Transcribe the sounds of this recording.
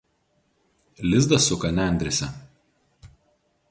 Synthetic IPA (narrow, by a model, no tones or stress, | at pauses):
lʲɪzd̪ɐsʊkɐnʲæˑnʲd̪ʲɾʲɪsʲɛ